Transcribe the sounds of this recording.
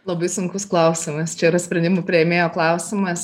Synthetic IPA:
lˠɐbɐɪsʊŋkʊsklˠɐʊsʲɪmɐst͡ʃʲɛiːɾɐsʲpʲɾʲɛnʲd̪ʲɪmʊpʲɾʲɪjeːmʲeːjoːklˠɐʊsʲɪmɐs

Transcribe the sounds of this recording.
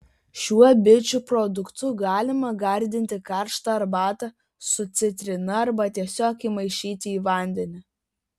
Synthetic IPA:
ʃʲuɔbʲɪt͡ʃʲupɾɔd̪ʊkt̪ʊɡɑːlʲɪmɐɡɐɾʲd̪ʲɪnʲt̪ʲɪkɐɾʃt̪ɐɐɾbɑːt̪ɐ | sʊt̪sʲɪt̪ʲɾʲɪnɐɐɾbɐt̪ʲiɛsʲoːkiːmɐɪʃʲiːt̪ʲɪiːʋɐˑnʲd̪ʲɛnʲɪ

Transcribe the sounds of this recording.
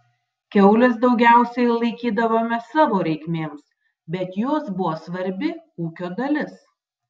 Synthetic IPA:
kʲɛʊlʲɪs̬d̪ɒʊɡʲæˑʊsʲɛɪlˠɐɪkʲiːd̪ɐʋoːmʲɛsɑːʋoːɾʲɛɪkʲmʲeːms | bʲɛt̪joːsbʊʋoːsʋɐɾʲbʲɪuːkʲoːd̪ɐlʲɪs

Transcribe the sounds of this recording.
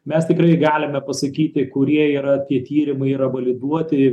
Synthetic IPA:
mʲɛst̪ʲɪkɾɐɪɡɑːlʲɪmʲɛpɐsɐkʲiːt̪ʲɪkʊɾʲiɛiːɾɐt̪ʲiɛt̪ʲiːɾʲɪmɐɪiːɾɐʋɐlʲɪd̪uɔt̪ʲɪ

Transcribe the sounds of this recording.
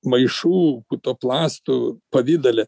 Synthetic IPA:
mɐɪʃuːkut̪oːplˠɑːst̪upɐʋʲɪd̪ɐlʲɛ

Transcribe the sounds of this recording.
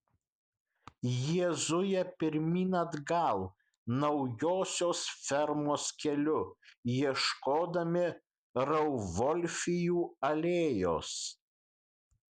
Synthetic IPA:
jiɛzʊjɛpʲɪɾʲmʲiːnɐd̪ɡɐlˠ | nɐʊjoːsʲoːsfʲɛɾmoːskʲɛlʲʊjiɛʃkoːd̪ɐmʲɪ | ɾɐʊʋɔlʲfʲɪjuːɐlʲeːjo̰ːs

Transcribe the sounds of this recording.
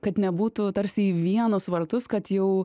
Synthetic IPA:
kɐt̪nʲɛbuːt̪ʊt̪ɐɾʲsʲɪiːʋʲiɛnʊsʋɐɾt̪ʊskɐt̪jɛʊ

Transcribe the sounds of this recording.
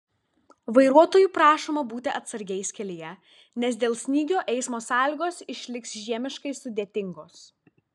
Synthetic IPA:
ʋɐɪɾuɔt̪oːjuːpɾɑːʃoːmɐbuːt̪ʲɪʔɐt̪sɐɾʲɡʲɛɪsʲkʲɛlʲɪjɛ | nʲɛsd̪ʲeːlˠsʲnʲiːɡʲoːʔɛɪsmoːsɑːlʲɪɡoːsɪʃʲlʲɪksʒʲiɛmʲɪʃkɐɪsʊd̪ʲeːt̪ʲɪŋɡoːs

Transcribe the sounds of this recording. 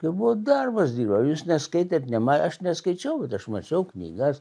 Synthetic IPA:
kɐɪbuʋoːd̪ɐrbɐsd̪ʲiːɾbɐjuːsnʲɛskɐɪt̪ʲet̪nʲɛmɑʔɐʃnʲɛskɐɪt͡ʃʲɛʊbʲɛt̪ɐʃmɐt͡ʃʲɛʊknʲḭːɡɐs

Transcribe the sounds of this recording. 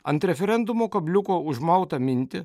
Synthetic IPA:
ɐ̰nt̪ɾefeɾend̪umokɐblʲukouʒmawt̪ɐmint̪ɪ

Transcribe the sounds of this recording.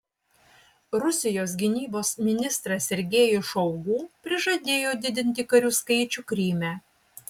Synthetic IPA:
ɾʊsʲɪjoːs̬ɡʲɪnʲiːboːsmʲɪnʲɪst̪ɾɐsʲɛɾʲɡʲeːjʊʃɔʊɡuːpʲɾʲɪʒɐd̪ʲeːjoːd̪ʲɪd̪ʲɪnʲt̪ʲɪkɐɾʲuːskɐɪt͡ʃʲʊkɾʲiːmʲæː

